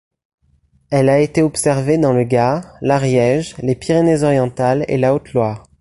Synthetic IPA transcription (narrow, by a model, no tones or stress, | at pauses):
ɛlaet̪eɔpsɛʁved̪ɑ̃ləɡaʁlaʁjɛʒlepiʁenezɔʁjɑ̃t̪alḛlaot̪lwaːʁ